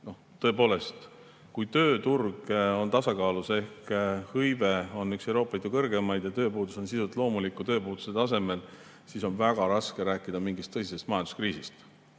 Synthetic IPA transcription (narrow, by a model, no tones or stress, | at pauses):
no̞ | t̪ɤ̞epo̞ːle̞st̪ | kujt̪ø̞ːt̪urɡo̞nt̪ɑsɑkɑːluse̞hkhɤjve̞o̞nːykse̞wɾo̞ːpːˑɑliːd̪ukɤrɡe̞mɑjd̪̥jɑt̪ø̞ːpuːd̪̥uso̞nsisut̪ˑlo̞ːmulikːˑut̪ø̞ːpuːd̪̥u̥se̞t̪ɑse̞me̞l | siso̞nvæɡ̥ɑɾɑske̞ɾæːkːˑid̪̥ɑmiŋɡist̪ːɤsise̞st̪mɑjɑnd̪u̥skriːsist̪